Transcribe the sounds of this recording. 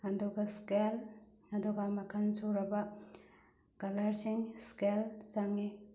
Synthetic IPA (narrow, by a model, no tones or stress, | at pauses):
ɐduɡɐskel | ɐduɡɐmɐkʰɐnsuɾɐbɐ | kɐlɐɾsiŋskelsaŋi